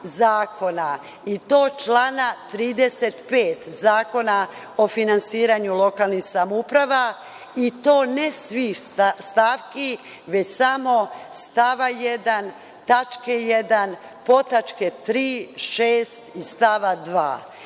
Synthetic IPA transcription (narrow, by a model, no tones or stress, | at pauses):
zaːko̞na | it̪o̞ːt͡ʃlanat̪ɾiːd̪eset̪peːt̪zaːko̞na | ofinansiːɾaɲulo̞kalˠnixsamoupɾaʋa | it̪o̞ːnesʋiːst̪aːʋki | ʋe̞t͡ɕsamo̞st̪aʋajed̪an | t̪at͡ʃkejed̪an | po̞t̪at͡ʃket̪ɾiːʃeːst̪ist̪aʋad̪ʋa̰ː